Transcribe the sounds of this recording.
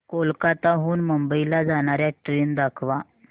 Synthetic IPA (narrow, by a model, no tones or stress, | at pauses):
kolkat̪aɦuːnməmbəilad͡zaɽ̃aɾjaʈɾiːnd̪akʰʋa